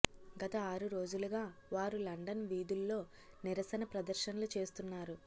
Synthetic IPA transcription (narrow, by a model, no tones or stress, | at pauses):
ɡɐt̪ɐaːɾuɾo̞ːd͡ʒuluɡaːʋaːɾulɐɳɖɐnʋiːd̪ulːo̞ː | niɾɐsɐnɐpɾɐd̪ɐɾʃɐnɐlut͡ʃe̞ːst̪unːaːɾu